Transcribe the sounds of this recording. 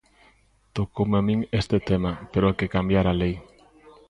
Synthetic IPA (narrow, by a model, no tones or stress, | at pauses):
t̪okowmamĩŋest̪et̪emapeɾoakekambjaɾalej